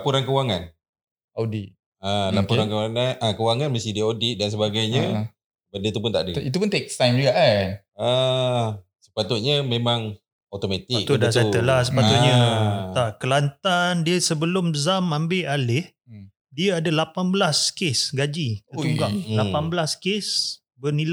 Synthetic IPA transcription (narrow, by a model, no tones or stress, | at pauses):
lapuɾankəwaŋan | awdit̪̚ | alapuɾankəwaŋanakəwaŋanməst̪idiəodit̪̚dans̬əbaɡajɲə | bəndət̪upʊnt̪a̰ʔdəit̪̬upʊnt̪ek̚stajnd͡ʒuɡaʔ | a | sə̥pat̪ʊt̪̚ɲəmẽmãŋ | at̪omat̪ik̚t̪udasat̪əlahsəpat̪ʊʔ̪̚ɲət̪aʔkəlant̪andiəsəbəlʊmzamambɪʔalɪh | diəadəlapanbəlaskesɡad͡ʒit̪ət̪uŋɡaʔlappanbəlaskes | bənila